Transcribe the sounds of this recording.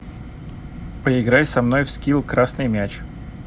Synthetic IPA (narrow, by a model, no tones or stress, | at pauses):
pəɪɡɾajʲsɐmno̞jfskʲilˠkɾasnɨjmʲæt͡ɕ